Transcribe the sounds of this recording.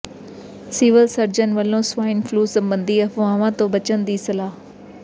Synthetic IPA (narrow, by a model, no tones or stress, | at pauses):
siːʋəlsɐɾd͡ʑənʋɐlõːsʋaːɪnfluːsɐ̃mbə̃nd̪iɐfõãʋãːt̪oːbɐt͡ɕənd̪iːsɐlaːɦ